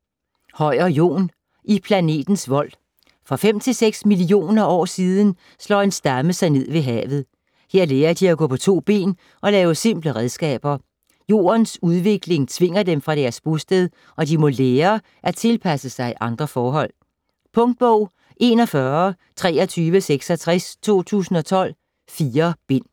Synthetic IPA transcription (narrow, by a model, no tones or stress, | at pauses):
hɒ̽ɪ̰ɐjo̝̰ːn | ʔipʰlæne̝̰ːd̥n̩sʋɒ̽l̰ | fʁɑ̈fem̰t͡sʰe̝lseɡ̥smilio̝̰ːnɐɒ̰ːsiːð̞ˠn̩ | slɒ̰ːe̝nsd̥ɑməsɑ̈ɪne̝ð̞̰ˠʋe̝ɦɛ̰ːʋð̞̩ˠ | he̝ɐ̰leːɐd̥iæɡ̥ɔ̰ːpʰɒ̽t͡sʰo̝̰ːb̥e̝̰ːn | ʔɒ̽lɛːʊəse̝m̰b̥ləʁɛðˠsɡ̥ɛ̰ːb̥ɐ | jo̝̰ːɐnsuð̞ˠʋe̝ɡ̥le̝ŋt͡sʰʋe̝ŋ̰ɐdemfʁɑ̈ɾæɐsb̥usd̥eð̞ˠ | ʔɒ̽dimɔ̽leːɐ | ʔæt͡sʰe̝lpʰæsəsɑ̈ɪiʔɑ̈nd̥ʁɐfɒːɦɒ̽l̰ | pʰɔ̽ŋd̥̚b̥ɔʊ̰ | ʔe̝nɒ̽fɶɐ | t͡sʰʁɛːɒ̽t͡sʰyːʋəseɡ̥sɒ̽t͡sʰʁɛst͡sʰo̝̰ːt͡sʰṵːsn̩ɒ̽t͡sʰɒ̽l̰ | fiːɐb̥e̝n̰